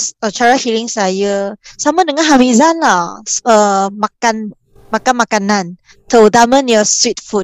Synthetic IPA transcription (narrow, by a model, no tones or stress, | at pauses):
sət͡ʃaɹahiliŋsajəsamədəŋãnɦawizanlaəmakan | makanmakanãn | tʰədamə̃njɔswit̚fut̚